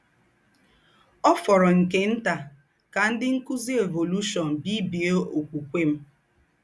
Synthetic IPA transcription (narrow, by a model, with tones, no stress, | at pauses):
ɔ˦fɔ˨ɾɔ˨ŋ̩˨ke˦n̩˦ta˨ | ka˨n̩˦dɪ˦ŋ̩˦kʊ˦zi˦e˨vo˨lu˦ʃɔ˨n̩˨bi˦bi˨e˦o˨kʷu˨kʷe˦m̩˦